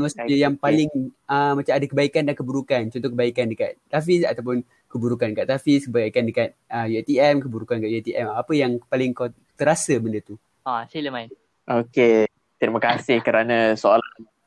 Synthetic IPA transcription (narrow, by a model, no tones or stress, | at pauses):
asəjaŋpalɪŋ | əmat͡ʃamadakəbaikandankəbuɾukant͡ʃɔnt̪ɔhkəbaikandəkat̪̚ːafisa̰t̪awp̬ʊn | kəbuɾukandəkaʔt̪afiskəbaikandəkat̪̚əjet̪iɛmkəbuɾukandəkaʔjet̪iʔɛmapəjaŋpalɪŋkaw | t̪əɾasəbəndət̪u | asiləmaɪ | ʔoke | t̪ɾimakasɪhkəɾanãsoola